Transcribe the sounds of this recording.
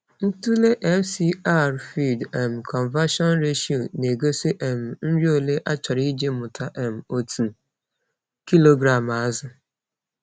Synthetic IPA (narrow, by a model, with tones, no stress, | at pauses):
n̩˦tu˦le˦ʔɛ˦fsi˦a˦ɾfi˦˨dɛ˨m̩˨kʰɔ˨nva˦ʃɔ˦nɾe˦ʃi˨o˨ne˨ɡo˦se˦ʔɛ˨m̩˨n̩˦ɾi˦o˦˨le˦ʔa˦t͡ʃɔ˨ɾi˦d͡ʒe˦mʊ˨tʰa˦ʔɛ˨m̩˨o˨tʰu˨ | ki˦lo˦ɡɾa˨m˨a˨˦zɪ˨